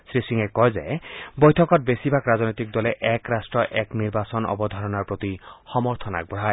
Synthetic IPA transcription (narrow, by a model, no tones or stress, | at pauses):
sɾisiŋekɔezḛjbɔjt̪ʰɔkɔt̪̚besibʱakɾad͡znɔjt̪ik̚d̪ɔleʔɛkɾasʈɾɔʔɛkniɾbasɔnʔɔ̰bɔd̪ʱaɾɔnaɾpɾot̪ixɔmɔɾt̪ʰɔna̰k̚bɔɦa